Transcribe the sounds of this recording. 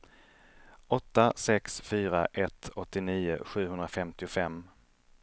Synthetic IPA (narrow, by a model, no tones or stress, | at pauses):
ɔt̪ːasɛksfyːɾa̰ʔɛt̪ʰɔt̪ːɪniːʊ̰ɧʉ̟ːɦɵnɾafɛmt̪ɪʊfɛmː